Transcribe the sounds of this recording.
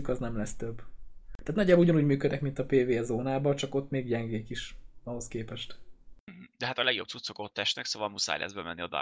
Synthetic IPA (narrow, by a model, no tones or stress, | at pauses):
ykɒznɛmlɛst̪øb̪ːaːt̪nɒɟaːbuɟɒnuːɟmyːkød̪ɛkmint̪ɒpeːveːɛzoːnaːbɒt͡ʃɒko̞t̪ːmeːɡɟɛŋɡeːkiʃɒɦo̞skeːpɛʃt̪̩ɦ̩d̪ɛɦat̪ɒlɛɡjo̞b̚t̪sut̪so̞kot̪ːɛʃtnɛksoːvɒlmusa̰jlɛ̰zbɛmɛnːiɒd̪a̰